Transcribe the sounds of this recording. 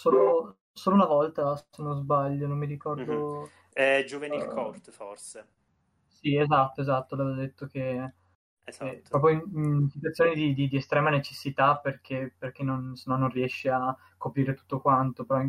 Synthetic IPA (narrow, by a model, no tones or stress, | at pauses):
soːlo | soːlounavɔlt̪asenozbaʎːonomːiɾikɔrd̪o | ɛd͡ʒuvenikort̪forse | siezat̪ːoezat̪ːolɛvad̪et̪ːok̟e | ekepːɾɔːp̬ɾjoininsit̪wat̪sːjonid̪id̪id̪iest̪ɾɛːmanet͡ʃesːit̪aperk̟ʰeperkenːonsenːɔnːonriɛʃːea | kːopɾiːɾet̪u̥t̪ːokwant̪opeɾɔ